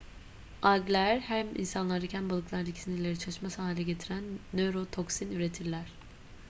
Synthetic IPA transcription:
aɡlʲæɾhæmḭnsanlˠaɾd̪acʰænbalˠɯklˠaɾd̪acʲʰi̥sinilʲe̞ɾit͡ʃʰaʃmasaːɦilʲɛɟe̞t̪ʰiɾænːøɾot̪ʰoksinyɾe̞t̪ʰiɾlʲæɾ̥

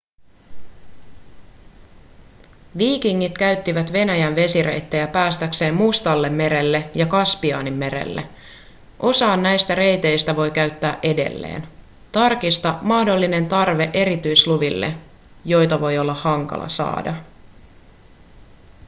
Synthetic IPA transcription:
ʋiːkiŋːit̪k̟æɥt̪ːiʋæt̪ʋe̞næjænʋe̞siɾe̞̰jt̪ːejæpæːst̪ækse̞ːmmust̪ɑlːe̞mːe̞ɾe̞lːe̞jɑkɑspiɑ̰ːnimːe̞ɾḛlːḛ | ʔo̞sɑːnːæjst̪æɾe̞jt̪e̞jst̪æʋo̞jkæɥt̪ːæːʔe̞de̞̰lːḛːn | t̪ɑrkist̪ɑmɑhdo̞lːine̞nt̪ɑrʋeʔe̞ɾit̪yjsluʋilːḛ | jo̞jt̪ɑʋo̞jo̞lːɑhɑŋkɑ̰lʔɑ̰sɑ̰ːdɑ

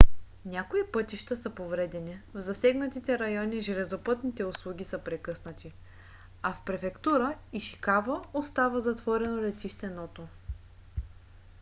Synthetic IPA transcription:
nʲjakoipɤt̪iʃt̪əsɐpovɾɛd̪ɛnivzɐsɛɡnət̪it̪ɛɾɐjɔniʒɛlɛzopɤt̪nit̪ɛʊslˠuɡʲisəpɾɛkɤsnət̪i | afpɾɛfɛkt̪uɾəiʃi̥kavəost̪avəzɐt̪vɔɾɛnolɛt̪iʃt̪ɛnɔt̪o

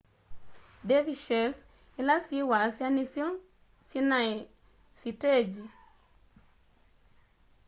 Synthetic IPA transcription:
deviʃɛs | ilasiwasianisjɔn | sinai | sited͡ʒi

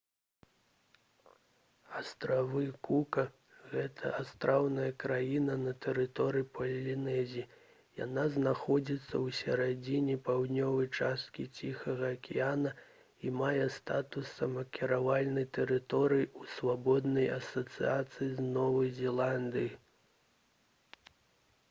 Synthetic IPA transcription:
ast̪ɾavɨkukɐ | ɣɛt̪ʰɐʔast̪ɾʔawnɐjɐkɾajinɐnɐt̪ɛɾɨt̪ɔɾɨjipʰɐlʲlʲinɛzʲi | ja̰naznaxɔd͡zʲit̪sːɐwsʲɐɾad͡zʲinʲɛpawd̪nʲɔvɐjt͡ʂast̪̚kʲit͡sʲixɐɣɐːkʲijanɐ | imajɛst̪at̪usɐmɐkʲiɾavalʲnɐjt̪ɛɾɨt̪ɔɾɨjiusvabɔd̪nɐjɐsɐt̪sɨ̰at̪sɨjiznɔvɐjzʲɛlˠand̪ɨji

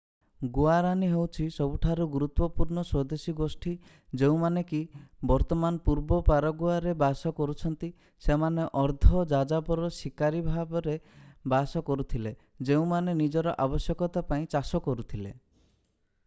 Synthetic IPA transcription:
ɡuaɾaniɦewt͡ʃʰisɔbuʈʰaɾuɡuɾut̪wɔpuɾɳɔswɔd̪esiɡosʈʰi | d͡ʒeũmanekibɔɾt̪ɔmanɔpuɾbɔpaɾɔɡuaɾebasɔkɔɾut͡ʃʰɔnt̪i | semaneʔɔɾd̪ʱɔd͡ʒad͡ʒapɔɾɔsikaɾibʱabɔɾebasɔkɔɾut̪ʰile | d͡ʒeũmanenid͡ʒɔɾɔʔabɔsjɔkɔt̪apaĩt͡ʃasɔkɔɾut̪ʰile

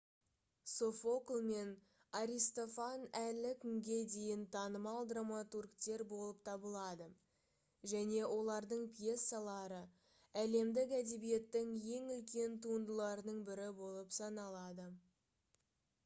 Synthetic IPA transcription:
so̞fo̞klˠme̞n | aɾʲist̪o̞fanælɪkʲʰʏŋɡʲe̞d̪e̞jɪnt̪ʰɑnəmɑlˠd̪ramat̪urkt̪e̞ɾbo̞lˠəp̚t̪ʰɑbəlˠɑd̪ə | ʒæne̞wʔo̞lˠɑɾd̪əɴpje̞sːalˠɑɾə | æle̞md̪ɪkæd̪e̞bije̞t̪ːɪŋje̞ŋʏlkʲe̞nt̪ʰuənd̪əlˠɑɾənəɴbɪɾɪbo̞lˠəpsɑnɑlˠɑd̪ə

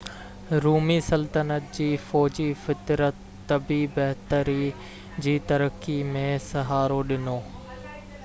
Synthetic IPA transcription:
ɾuːmisɐlt̪ənət̪̚d͡ʑiːfɔːd͡ʑifɪt̪ɾət̪ːɐbibɐɦt̪əɾi | d͡ʑiːt̪ɐɾəkimẽsɐɦaːɾoɗɪnoː

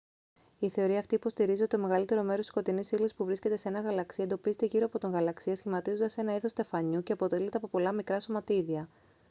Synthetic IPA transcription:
iθe̞o̞ɾiɐft̪ipo̞st̪iɾiziot̪t̪o̞me̞ɣɐlit̪e̞ɾo̞me̞ɾosi̥sko̞t̪inisilisi̥spuvɾisce̞t̪e̞seenɐɣɐlɐksiɐend̪opize̞t̪e̞ʝiɾoɐpot̪o̞ŋɣɐlɐksiɐsçimɐt̪izond̪ɐse̞nɐiθost̪e̞fɐɲuce̞ɐpo̞t̪e̞lit̪eɐpo̞po̞lɐmikɾɐso̞mɐt̪iðiɐ

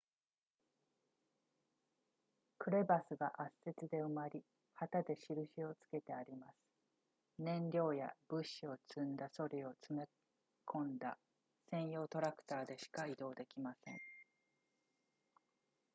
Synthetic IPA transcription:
kɯ̟ɾe̞basɨɡaʔase̞t͡sɨd̪e̞ɯmaɾʲi | hat̪ad̪e̞ɕiɾɯ̟ɕio̞t͡sɨ̥ke̞t̪e̞aɾʲimasɨ̥ | nẽ̞ɲɾʲo̞ːja̰b̥ɯ̟ɕio̞t͡sɨ̃nd̪aso̞ɾʲio̞t͡sɨme̞ | kʰõ̞nd̪a̰ | sẽ̞ɰ̃jo̞ːt̪o̞ɾakɯ̟̥t̪aːd̪e̞ɕi̥kaid̪o̞ːd̪e̞kʲimasẽ̞̰ŋ

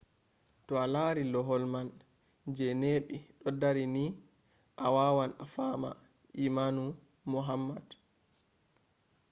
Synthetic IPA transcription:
tɔalaːɾilɔɦɔlman | d͡ʒɛneːɓiɗɔdaɾini | ʔawaːwanafama̰ | ʔimanu | muɦamːad

